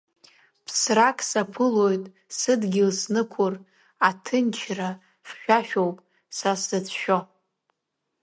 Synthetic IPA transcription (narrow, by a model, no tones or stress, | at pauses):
pʰsrakʼsapʰɨlo̞jtʼ | sɨdɡʲɪlsnɨkʷʰʊr | atʰɨnt͡ʃʰra | χʃᶣaʃᶣowpʼ | sasɨt͡sʰʃᶣo